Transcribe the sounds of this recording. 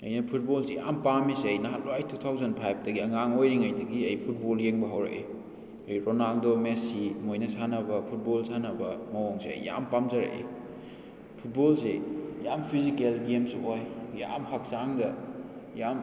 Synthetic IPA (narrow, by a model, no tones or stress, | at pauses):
ɐ̰jnɐpʰut̚bolseja̰mpamiseɐjnaɦatlajtʰːut̪ʰawzɐnpʰajp̚ʰdɐɡiɐŋaŋojɾiŋajdɐɡiɐjpʰut̚boljeŋbɐɦawɾɐ̰ʔḛ | ɐjɾonaldomesimojnɐsanɐbɐpʰut̚bolsanɐbɐmɐwoŋseɐ̰jːa̰mpamzɐɾɐ̰ʔḭ | pʰut̚bolsejampʰizikelɡemsojja̰mhak̚saŋdɐjam